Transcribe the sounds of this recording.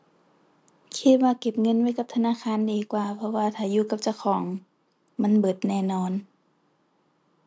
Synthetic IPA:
kʰi˧t̪̚waː˧ke˧˩˦p̚ŋɤ˧˥˨nwa˧˥˨jka˧˦p̚t̪ʰa˧naː˧˥˨kʰaː˧˥˨ndiː˨˩kwaː˨˩pʰɔ˧waː˧t̪ʰaː˧˩juː˧˨ka˧˩p̚t͡ɕa˧˩wxʰɔː˨˦ŋ | ma˧˥˨nbɤ˨˩t̪̚nɛː˧˩nɔː˧˥˨n

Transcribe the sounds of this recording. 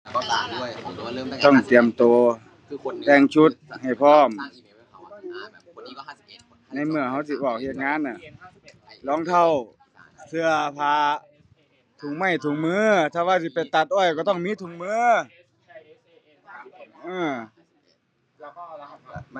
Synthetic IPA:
t̪ɔ˧˩ŋt̪i˨˩əmt̪oː˨˧˩ | lɛː˧ŋt͡ɕʰu˧˥t̪̚ha˨˩jpʰɔː˧˥˩m | na˧˥˩jmɯ˧ɐha˧˥˩wsi˧bɔː˧˩k̚he˧˩t̪̚ŋaː˧˥˨nːa˧˩ | lɔː˧˥˦ŋt̪ʰa˧˩˨w | sʰɯ˧ɐpʰaː˧ | t̪ʰu˧˩˨ŋma˧˩jt̪ʰu˧˩˨ŋmɯː˧˥˨t̪ʰaː˧waː˧˥siː˧˦pa˨˩jt̪a˧˩t̪̚ʔɔː˧˩jkɔː˧˩t̪ɔ˧˥˨ŋmiː˧˥˨t̪ʰu˧˦ŋmɯː˧˥˨ | ʔɯː˧˩

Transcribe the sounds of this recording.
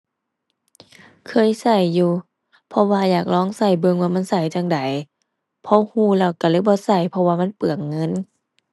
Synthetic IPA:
kʰɤː˧˥˨jsa˧˩jːuː˧ | pʰɔ˧waː˧jaː˨˩k̚lɔː˧˥˨ŋsa˧˩jbɤ˧˨ŋwaː˧˩ma˧˥˨nsa˧˩jt͡ɕa˧ŋda˨˦j | pʰɔ˧˥huː˧˩lɛː˧˩wka˧˩lɤː˧˨bɔː˧˦sa˧˩jpʰɔ˧waː˧ma˧˥˨npɯ˨˩əŋːɤ˧˥˨n

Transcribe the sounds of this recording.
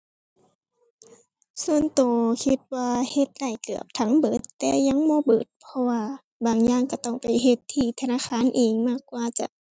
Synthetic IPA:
su˧˨ənt̪oː˨˩kʰi˧t̪̚waː˧he˧t̪̚la˧˩jkɯ˨˩əp̚t̪ʰa˧˦ŋbɤː˨˦t̪ːɛː˧ja˧˥˨ŋmɔː˧˦bɤː˨˩t̪̚pʰɔ˧waː˧ | baː˨˩ŋjaː˧˥˨ŋka˧˩t̪ɔ˧˩ŋpa˨˩jɦe˧t̪ʰːiː˧˩t̪ʰa˧naː˧˨xʰaː˧˥˨nʔeː˨˩ŋmaː˧˩˨kːwaː˧t͡ɕa̰˧˦ʔ

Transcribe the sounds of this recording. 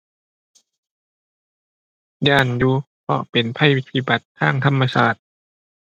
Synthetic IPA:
jaː˧˩njuː˧ | pʰɔ̰˧˩pe˨˩npʰa˧˥˨ji˧t̪ʰiː˧˩ba˨˩t̪ʰːaː˧˥˩ŋt̪ʰa˧˥˨mːa˧saː˨˩t̪̚

